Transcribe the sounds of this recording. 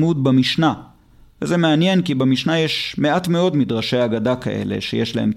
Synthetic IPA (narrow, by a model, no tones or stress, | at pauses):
mudbamiʃna | vezemeanje̞nkibamiʃnajeʃmeʔatmeo̞dmidʁaʃe̞jaɡadaka̰ʔe̞̰le̞̰ʃḛjeʃlahe̞̰mt